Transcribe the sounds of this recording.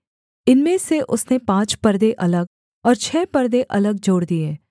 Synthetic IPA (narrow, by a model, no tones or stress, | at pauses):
ɪnmẽseʔʊsnepãːt͡ʃpɐɾd̪eʔɐləɡ | ɔːɾt͡ʃʰɛːpɐɾd̪eʔɐləɡ̚d͡ʒoːɽd̪ieː